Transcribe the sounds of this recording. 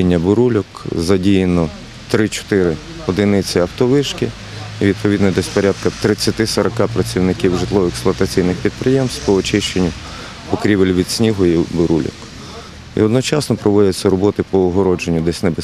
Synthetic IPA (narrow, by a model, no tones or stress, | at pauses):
inʲːɐbʊɾulʲɔkzɐdʲijenɔ | t̪ɾɪt͡ʃɔ̥t̪ɪɾɪ | ɔd̪ɪnɪt͡sʲɪɐwt̪ɔʋɪʃkɪ | iʋʲid̪̚pɔʋʲid̪nɔd̪ɛsʲpɔɾʲad̪kɐt̪ɾɪt͡sʲːjɐt̪ɪsɔɾɐkɑpɾɐt͡sʲiwnɪkʲiwʒɪt̪lˠɔʋɔɛksplˠɔɐt̪ɐt͡sʲijnɪxpʲid̪̚pɾɪjemst̪pɔɔt͡ʃɪʃt͡ʃenʲːʊ | pɔkɾʲibelʲʋʲid̪sʲnʲiɦɔjibʊɾulʲɔ̰k | ḭɔd̪nɔt͡ʃɑsnɔpɾɔʋɔdʲɛt͡sʲːɐɾɔbɔt̪ɪpɔːɦɔɾɔd͡ʒenʲːʊd̪ɛsʲnɛbe